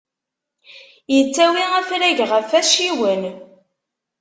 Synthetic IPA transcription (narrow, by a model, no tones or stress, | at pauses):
jət͡sːæwiæfɾæʝʁəfæʃiwən